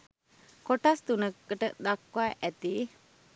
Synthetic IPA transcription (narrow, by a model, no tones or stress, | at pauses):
koʈast̪unəkːəʈəd̪akːwaːʔæt̪iː